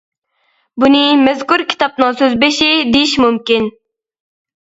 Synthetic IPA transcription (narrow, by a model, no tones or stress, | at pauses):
bunɪmɛzkuɾkʲʰi̥t̪ɑp̚nɨŋsøzbeʃid̪ejiʃmumkʲin